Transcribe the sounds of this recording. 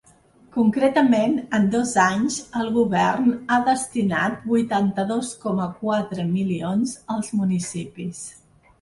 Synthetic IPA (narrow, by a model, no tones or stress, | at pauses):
kuŋkɾet̪əmenənd̪ɔzaɲzəlˠɣuβɛrnaðəst̪ina̰t̪̚bujt̪ant̪əðoskɔməkwat̪ɾəmilionzəlˠzmunisipis